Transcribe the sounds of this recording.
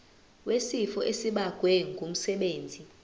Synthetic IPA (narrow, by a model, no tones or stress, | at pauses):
wesifɔʔesiɓaɡ̥ʱwɛŋɡʱum̩sɛɓeːnd͡zʱi